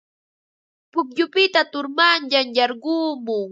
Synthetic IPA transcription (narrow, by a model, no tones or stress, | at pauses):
pʊkʎʊpɪt̪at̪ʊɾmanʎaŋjɑɾɢuːmʊ